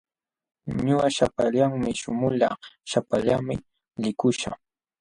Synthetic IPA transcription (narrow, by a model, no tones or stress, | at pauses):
ɲʊaʃapaʎaŋmɪʃʊmʊlɑ̰ʃapaʎamɪ | lɪkʊʃa